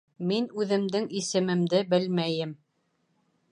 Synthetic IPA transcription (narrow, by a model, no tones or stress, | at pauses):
minʉðɘ̆md̪ɘŋisɘ̆mɘ̆md̪ɘbɘlmæjɘm